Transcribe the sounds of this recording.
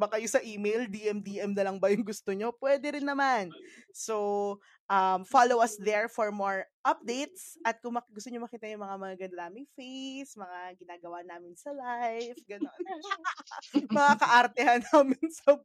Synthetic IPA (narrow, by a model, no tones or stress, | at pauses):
bɐkɐjosɐʔiːmejld̪iʔɛmd̪iʔɛmnɐlɐŋbɐjʊŋɡʊst̪oɲo̞pwɛːd̪ɛɾɪnːɐmanso | ʔɐmfalowɐsd̪ɛɹfɔɹmoɹʔap̚d̪ejt̪̚sʔɐt̪̚kʊŋmɐɡʊst̪oɲomɐkiːt̪ɐjʊŋmɐŋamɐŋaɡɐnd̪ɐlaːmɪŋfesmɐŋaɡɪnaːɡɐwanaːmɪnsɐlajfɡɐnon | mmɐŋakɐʔɐɾt̪ɛhɐnaːmɪnsɐ